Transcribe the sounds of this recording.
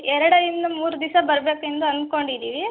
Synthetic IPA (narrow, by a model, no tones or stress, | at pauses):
ɛɾɐɽɐjind̪ɐmuːɾud̪isɐbɐɾɐbeːke̞nd̪uɐnd̪̚ko̞ɳɖid̪iːʋi